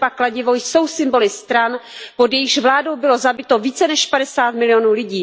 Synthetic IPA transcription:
baklaɟɪvojsowsɪmbo̞lɪst̪ɾanpo̞djɛjɪʃvlaːdo̞wbɪlozabɪt̪oviːt͡sɛnɛʃpadɛsaːt̪mɪlɪjo̞nuːlɪɟiː

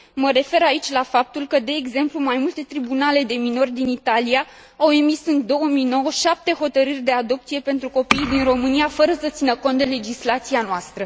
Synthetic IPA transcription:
məɾe̞fe̞ɾait͡ʃʲlafap̚t̪ulkəd̪e̞ːɡze̞mplumajmult̪e̞t̪ɾibunale̞d̪e̞mino̞rʲd̪init̪alia | awe̞misɨnd̪o̞wəmijno̞wəʃap̚t̪e̞ɦo̞t̪əɾɨrʲd̪e̞ad̪o̞p̚t̪sije̞pe̞nt̪ɾuko̞pijd̪inro̞mɨniafəɾəsət̪sinəko̞nt̪d̪e̞le̞d͡ʒislat̪sianoast̪ɾə

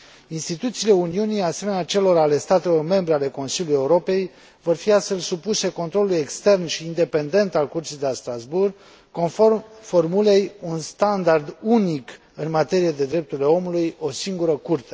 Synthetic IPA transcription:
inst̪it̪ut̪siːle̞uniunijase̞me̞neat͡ʃe̞lo̞ɾale̞st̪at̪e̞lo̞rme̞mbɾe̞ale̞ko̞nsilʲuluje̞uɾo̞pe̞j | vo̞rfiast̪fe̞lsupuse̞ko̞nt̪ɾo̞luje̞kst̪e̞rnʃiːnd̪e̞pe̞nd̪e̞nt̪alkurt̪sijd̪elast̪ɾazburɡ | koformfo̞rmule̞junst̪and̪ard̪unik | ɨnmat̪e̞ɾijed̪e̞d̪ɾe̞p̚t̪uɾʲile̞o̞mulujo̞siŋɡuɾəkurt̪e

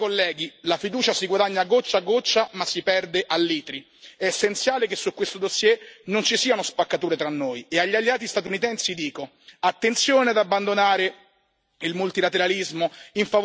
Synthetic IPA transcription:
kolːɛːɡilafid̪uːt͡ʃasiɡwad̪aɲːaɡːot͡ʃːaɡːot͡ʃːamasːipɛrd̪eʔalːiːt̪ɾi | ɛːsːent̪sjaːlekesːukːwest̪od̪osːjɛnont͡ʃisiːanospakːat̪uːɾet̪ɾanːojeaʎːialːeaːt̪̬ist̪at̪unit̪ɛnsid̪iːko | at̪ːent̪sjoːnead̪abːand̪onaːɾe | ilmult̪ilat̪eɾalizmoiɱfav

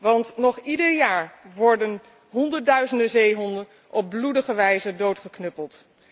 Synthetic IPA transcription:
ʋɑntnɔχidəɹjaːɹʋɔɹdən | ɦɔndəɹdœɥzəndəzejɦɔndə | ʔɔb̚bludəχəʋɛjzədowtχəknɵpəlˠt

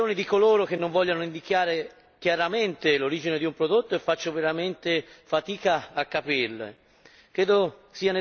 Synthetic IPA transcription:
oːnid̪ikoloːɾok̟enːoɱvɔʎːanoind̪ik̟jaːɾe | k̟jaɾament̪eloɾiːd͡ʒined̪iumpɾod̪ot̪ːoefːat͡ʃːoveɾament̪efat̪iːkaːkːapiɾlḛ | kɾeːd̪osiːane

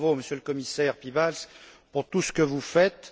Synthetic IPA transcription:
voməsjøləkɔmisɛʁpibals | puʁt̪usə̥kəvufɛt̪

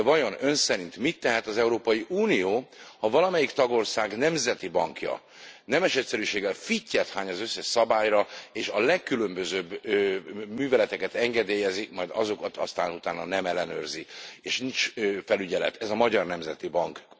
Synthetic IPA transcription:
vɒjo̞nø̞nsɛɾint̪mit̪ːɛɦɛt̪ɒzɛuɾoːpɒjiʔuːnijoːhɒvɒlɒmɛjikt̪ɒɡo̞rsaːɡnɛmzɛt̪ibɒŋkjɒ̰ | nɛmɛʃɛc̪ʲsɛɾyːʃeːɡɛlficːɛt̪haːɲɒzøsːɛʃsɒbaːjɾɒeːʃɒlɛkːylømbøzøːbː | myːvɛlɛt̪ɛkɛt̪ɛŋɡɛd̪eːjɛzimɒjd̪ɒ̰zo̞kɒt̪ɒ̰st̪a̰ːnut̪aːnɒnɛmɛlːɛnø̰rzieːʃnint͡ʃːfɛlyɟɛlɛ̰t̪ɛzɒmɒɟɒrnɛmzɛt̪ibɒŋk

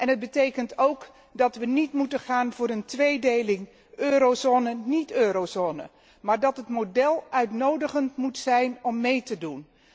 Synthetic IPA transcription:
ʔɛnɦəd̚bətejkəntowk | dɑtʋənitmutənχaːnvʊːɾəntʋejdejlɪŋ | øːɾozoːnənitøːɾowzoːnə̰ | maːɹdɑtɦətmodɛlˠœɥtnowdəχəntmutsɛjnɔmːejtədun

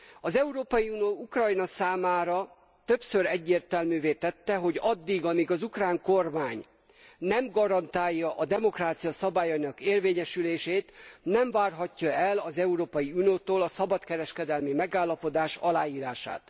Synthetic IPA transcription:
ɒzɛuɾoːpɒjiunioːukrɒjnɒsaːmaːɾɒ | t̪ø̞psø̞ɾɛɟːeːrt̪ɛlmyːveːt̪ɛt̪ːɛɦo̞ɟɒd̪ːiɡɒmiɡɒzukraːŋko̞rmaːɲ | nɛmɡɒɾɒnt̪aːjːɒʔɒd̪ɛmo̞kraːt̪sijɒsɒbaːjɒinɒkeːrveːɲɛʃyleːʃeːt̪nɛɱvaːrɦɒcːɒɛlɒzɛuɾoːpɒjiunijoːt̪oːlɒsɒbɒt̪kɛɾɛʃkɛd̪ɛlmimɛɡaːlːɒpo̞d̪aːʃɒlaːjiːɾaːʃa̰ːt̪

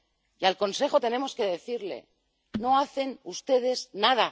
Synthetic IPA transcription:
ialko̞nse̞χo̞t̪e̞ne̞mo̞ske̞ðe̞θiɾle̞̰ | no̞aθe̞nust̪e̞ð̞e̞znaða

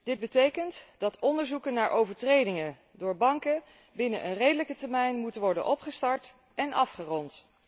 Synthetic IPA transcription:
d̥ɪd̚bətejkəntd̥ɑtʰɔndəɹzukənːaːɹʔowvəɹtrejdɪŋə | dʊːɹbɑŋkə | bɪnəʔənrejdələkətɛɹmɛjnmutənʋɔɹdə̰nʔɔpχəstɑɹt | ɛnʔɑfχərɔnt

